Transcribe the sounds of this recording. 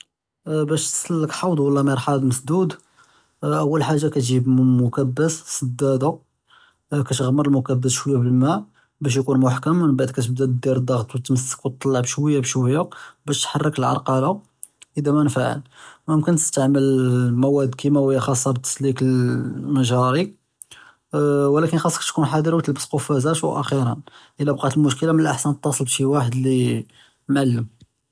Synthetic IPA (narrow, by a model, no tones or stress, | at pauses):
bæʃt̪səlːəkħɑwd̪wəlːɑmiɾˤħɑd̪məsd̪ud̪ | ʔəwːəlħaʒːakæt̪ʒibmʊkæbːəssˤəd̪ːæd̪u | kæt̪ɣmːəɾˤəlmʊkæbːəsʃwəjːæbəlmæ | bæʃ̬jkunmʊħkəmənbaʕd̪kæt̪əb̚d̪æd̪d̪iɾəd̪ːɑɣt̪ˤwət̪məsːə̥kwt̪ˤːɑlˤːɑʕbʃwəjːabʃwəjːabæʃt̪ħɑrˤːəkəlʕɑ̰ɾˤqɑla | ʔəd̪æmænfaʕə̰lməmkənt̪əst̪aʕməlmæwæd̪kimæwəjːaxɑsˤːɑbət̪ːə̥slikəlmæʒɑɾi | wlækənxɑsˤːɑkt̪kunħɑd̪əɾwət̪əlbəsqofæzæʃwʔæ̰xiɾənʔəlːæbqɑt̪əlmʊʃkəlamənəlʔaħsænt̪ˤːɑsˤəlbʃiwaħəd̪li | mʕalːəm